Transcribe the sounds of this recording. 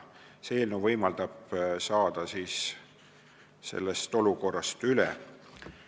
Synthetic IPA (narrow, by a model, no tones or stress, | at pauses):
seːlnuvɤjmɑld̪̥ɑb̥sɑːd̪̥ɑsiːs | se̞̰lːest̪o̞luko̞rːɑst̪ylɛ̰